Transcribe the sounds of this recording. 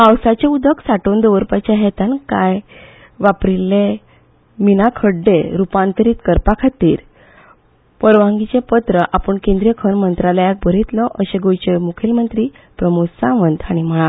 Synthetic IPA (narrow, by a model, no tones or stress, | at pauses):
awsat͡ɕeud̪ʱəksaʈond̪əʋəɾpat͡ɕaɦet̪ankaj | ʋapɾilːe | minakʰəɽɖeɾupãnt̪əɾiːt̪kəɾpakʰat̪ḭːɾ | pəɾʋãŋɡit͡sepət̪ɾəʔapəɳkẽnd̪ɾijəkʰənmənt̪ɾalajak̚bʱəɾit̪lɔʔəɕẽɡojt͡ɕemukʰilmənt̪ɾiː | pɾəmusãʋənd̪aɽ̃im̤əɭa